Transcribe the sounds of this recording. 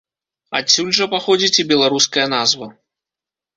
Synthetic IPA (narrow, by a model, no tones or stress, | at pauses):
a̰sʲulʲʐɐpaxɔd͡zʲit͡sʲibʲɛlˠaɾuskɐjɐnazvɐ